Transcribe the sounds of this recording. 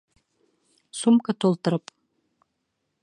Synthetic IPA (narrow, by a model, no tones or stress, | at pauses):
sumkʼatʰoltʰʼɨɾɨpʼ